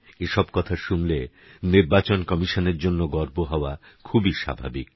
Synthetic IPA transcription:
eʃɔb̚kɔt̪ʰaʃunle | niɾbat͡ɕonkɔmiʃoneɾd͡ʑonːoɡɔɾboɦɔoa | kʰubiʃa̰bʱa̰bik

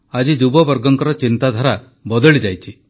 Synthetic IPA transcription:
ad͡ʒid͡ʒubɔbɔɾɡɔŋkɔɾɔt͡ʃint̪ad̪ʱɔɾa | bɔd̪ɔɭid͡ʒajt͡ʃʰi

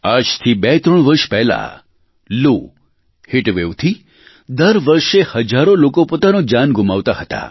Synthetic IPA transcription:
ad͡ʒt̪ʰibɛt̪ɾəɳ̃ʋəɾʃpɛɦla̰ | lu | hɪʈʋeʋt̪ʰi | d̪əɾʋəɾʃehəd͡ʒaɾolokopot̪anod͡ʒanɡʱʊmaʋt̪aɦət̪a̰

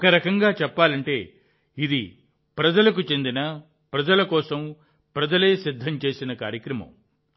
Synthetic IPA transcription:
kɐɾɐkɐŋɡaːt͡ʃɛpːaːlɐɳʈe̞ː | id̪i | pɾɐd͡ʒɐlɐkut͡ʃe̞nd̪inɐ | pɾɐd͡ʒɐlɐkɔːsɐm | pɾɐd͡ʒɐle̞ːsid̪ʱːɐmt͡ʃe̞ːsinɐkaːɾjɐkɾɐmɐ̰m

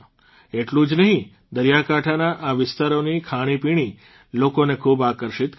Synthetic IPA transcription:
eʈlũd͡ʒnəɦĩ | d̪əɾjakaʈʰanaʔaʋɪst̪aɾonikʰaɽ̃ipiɽ̃i | lokonekʰubakəɾʃit̪

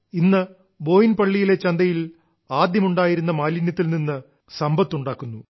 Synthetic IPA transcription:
inːɨ | bo̞ːjinpɐɭːijile̞t͡ɕɐnd̪ɐjil | aːd̪jɐmuɳɖaːjiɾunːɐmaːlinjɐt̪ːilninːɨ | sɐmbɐt̪ːuɳɖaːkːunːu

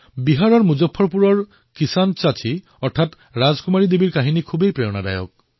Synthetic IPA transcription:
biɦaɹɔɹmuzɔpʰːɔɹpuɹɔɹ | kisant͡ʃatʰi | ɔɹtʰat | ɹazkumaɹid̪ebiɹkaɦinikʰubejpɹejɔnada̰jɔ̰k̚

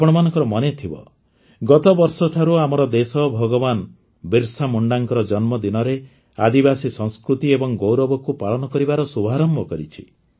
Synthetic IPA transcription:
pɔɽ̃ɔmanɔ̃ŋkɔɾɔmɔnet̪ʰibɔ̰ | ɡɔt̪ɔbɔɾsɔʈʰaɾuamɔɾɔd̪esɔbʱɔɡɔban | biɾsamuɳɖaŋkɔɾɔd͡ʒɔnmɔd̪inɔɾe | a̰d̪ibasisɔŋskɾut̪iebɔŋɡowɾɔbɔkupaɭɔnɔkɔɾibaɾɔsubʱaɾɔmbʱɔkɔɾit͡ʃʰi̥

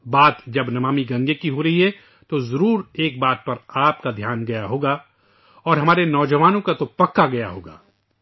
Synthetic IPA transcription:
baːt̪d͡ʒɐbnɐmaːmiɡɐ̃ŋɡekiɦoɾɐɦiɦɛ | t̪ozɐɾuːɾeːk̚baːt̪̚pɐɾaːp̚kad̪ʱjaːnɡɐjaɦoːɡaː | ɔːɾɦɐmaːɾenɔːd͡ʒɐʋaːnõkat̪opɐkːaɡɐja̰ɦo̰ːɡa̰ː

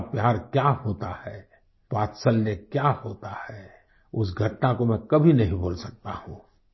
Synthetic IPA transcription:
pjaːɾkjahoːt̪ahɛː | paːt̪səlnekjahoːt̪ahɛː | ʊsɡʱɐʈnakomɛ̃kɐbʱinɐɦĩbʱoːlsɐk̚t̪ahũː

